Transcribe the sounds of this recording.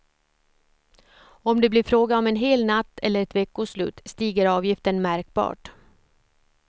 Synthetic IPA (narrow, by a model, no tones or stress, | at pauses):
ɔmd̪ɛblɪɾfɾoːɡaɔmɛnɦeːlnat̪ːɛ̰lːəɾɛt̪vɛkːʊslʉ̟̰ːt̪st̪iːɡəɾɑːvjɪft̪əɳmæɾk̚bɑ̰ːʈ